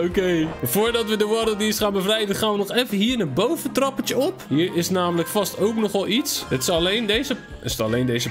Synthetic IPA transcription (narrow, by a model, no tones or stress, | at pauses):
okejvʊːɹdɔtʋədəʋɔdədinstχaːnbəvrɛjdənχaːnʋənɔχɛfəɦiːɹnabowvəntrɑpətəɔpɦiːɹɪsnaːmələkfɑstowknɔχɔlˠitsətslejndejzə | əstɑlejndejzə